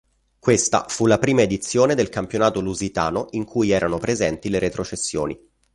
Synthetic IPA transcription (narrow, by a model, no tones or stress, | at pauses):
kwest̪a̰fulapɾiːmaed̪it̪sːjoːned̪elkampjonaːt̪oluzit̪a̰ːnoʔiŋkʰujɛːɾanopɾezɛnt̪ileɾet̪ɾot͡ʃesːjo̰ːnḭ